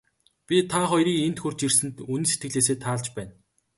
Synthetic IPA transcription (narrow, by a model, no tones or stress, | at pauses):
pʲit̪ʰaχɔjɾiːkent̪xɵr̥t͡ɕirsɘ̆nt̪unĭset̪ɡɘ̆ɮeːs̬eːt̪ʰaːɮt͡ɕpæːn